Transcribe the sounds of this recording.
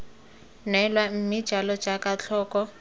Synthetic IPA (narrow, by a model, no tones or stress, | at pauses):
nɛlwam̩mi̥ʒ̥ʱalɔ̥d͡ʒakat͡ɬʰɔːkɔ